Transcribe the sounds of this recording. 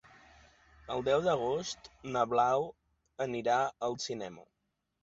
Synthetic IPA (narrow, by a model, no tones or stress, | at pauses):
əlˠd̪ɛwðəɣ̞ost̪nəβlaw | əniɾaəlˠsinɛmə̰